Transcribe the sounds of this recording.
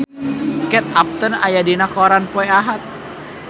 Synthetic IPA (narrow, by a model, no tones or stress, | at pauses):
kɛt̪̚ap̚t̪ənajadinakɔɾanpɔɛaɦat̪̚